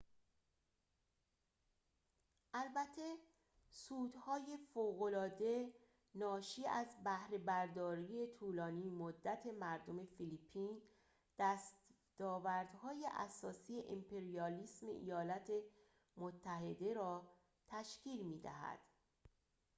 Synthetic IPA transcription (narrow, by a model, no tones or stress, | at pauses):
ʔælbæt̪ʰːe̞ | suːd̪hɒːje̞foːɣo̞lɒːd̪e̞ | nɒːʃiːæzbæhɾe̞bæɾd̪ɒːɾije̞t̪ʰuːlɒːniːmod̪ːæt̪ʰe̞mæɾd̪o̞me̞filipʰːiːn | d̪̥æst̪ | d̪̥ɒːvæɾd̪̥hɒːjeʔæ̰sɒːsijeʔimpʰe̞ɾijɒliːsmḛʔḭjɒːlæt̪ʰe̞ | mot̪ʰːæɦe̞d̪e̞ɾɒː | t̪ʰæʃcʰiːlmiːd̪æ̰ɦæ̰d̪̥